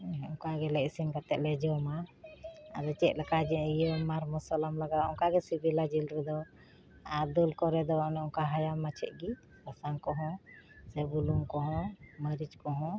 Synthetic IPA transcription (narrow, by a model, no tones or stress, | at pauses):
ɔŋkaɡɛlɛʔsimkat̪ɛʔ̚lɛd͡ʒɛma | a̰ɾɛt͡ʃɛc̪̚ˀlɛkad͡ʒɛijɔmaɾmɔsɔlamlaɡaɔ̰ŋkaɡɛsibilad͡ʒilɾɛd̪ɔ | ad̪ulkɔɾɛd̪ɔnɛɔŋkaɦajamːat͡ʃʰɛ̰ʔ̚ˀɡi | kasaŋkɔɦɔ̃sɛbuluŋkɔɦɔ̃məɾid͡ʒkɔɦɔ̃